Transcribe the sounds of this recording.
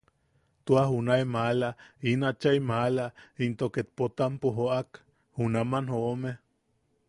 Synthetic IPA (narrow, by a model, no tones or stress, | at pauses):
t̪uahunaemalainat͡ʃaimalaint̪oket̪̚pot̪ampoɦoʔak | hunamanhoʔome